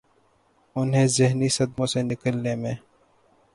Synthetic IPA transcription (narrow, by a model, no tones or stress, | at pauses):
ʊnɦẽzɪɦnisɐd̪mõsenɪkəlnemẽ